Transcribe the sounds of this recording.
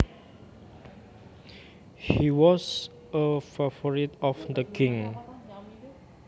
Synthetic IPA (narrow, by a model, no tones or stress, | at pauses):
hiwɔs | əfafɔɹit̪ɔfd̪əkʰɪ̃ŋ